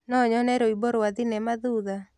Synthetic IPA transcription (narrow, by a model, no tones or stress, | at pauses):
nɔɲɔnɛɾoiboɾwaðinɛmaðuða